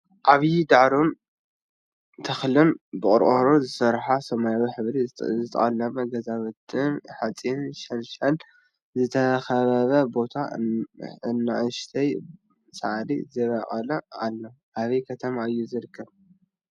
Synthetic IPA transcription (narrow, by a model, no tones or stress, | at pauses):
ʔaβjid̪aʕɾon | t̪ʰɐxlɨnbɨkʼʊɾʔʼoɾozɨsɐɾħasɐmajawiħɨβɾizɨt̪ʰɐ̰χʼɐlːɐmɐɡɐzaβɨt̪ʰʼːɨnħat͡sʼinʃɐnʃal | zɨt̪ʰɐxɐβɐβɐbo̞t̪ʰa | ɨnːaʕɨʃt̪ʰɐj | saʕlḭzɐβaqʼɐlɐalːo | ʔaβɐjkʰɐt̪ʰɐmaɨjːuzɨɾɨkʰːɐβ